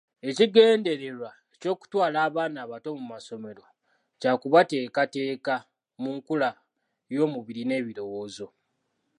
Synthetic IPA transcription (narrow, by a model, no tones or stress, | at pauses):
e̞ciɡe̞ːnde̞ɾe̞ɾwa | eco̞ːku̥twaːlaːβaːnaːβato̞mumaso̞me̞ɾo̞ | caːkuβate̞ːkate̞ːka | muŋkula | jo̞ːmuβiɾine̞ːβiɾo̞wo̞ːzo̞